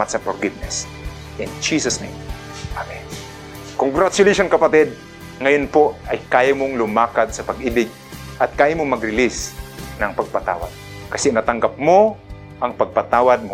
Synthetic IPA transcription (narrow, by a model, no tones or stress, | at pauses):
at̪sɐfɔɾɡɪvnɛs | ʔɪnd͡ʒisɐsnẽm | ʔamɛn | koŋɡɾat͡ʃʊleʃonkɐpɐt̪ɛd̪̚ | ŋɐjonpoʔɐjkaːjɐmoŋlʊmaːkat̪̚sɐpɐɡɪbɪɡ̚ | ʔɐt̪̚kaːjamoŋmɐɡɾɪlɪsnɐŋpɐɡ̚pɐt̪a̰ːwa̰d̪̚ | kɐsɛnɐt̪ɐŋɡap̚mo | ʔɐŋpɐɡ̚pɐt̪aːwɐd̪̚mo